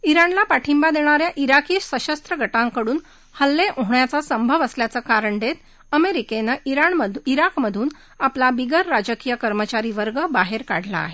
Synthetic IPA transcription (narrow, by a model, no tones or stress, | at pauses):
iɾanlapaʈʰimbad̪eɽ̃aɾjaʔiɾakiːssəɕəst̪ɾəɡʱəʈãŋkəɽuːn | həlːeʔoɦɳjat͡sasəmbʱəʋəsljat͡səkaɾəɳd̪et̪ | əmeɾikenaiɾaɳəiɾakməd̪ʱuːn | aplabiɡəɾːad͡ʑəkijəkəɾmət͡ɕaɾiʋəɾɡəbaɦeɾkaɽ̤ʱla̰ːɦe